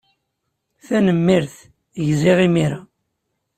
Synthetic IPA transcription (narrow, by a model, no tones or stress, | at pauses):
θænəmːiɾθ | ʝziʁimiɾa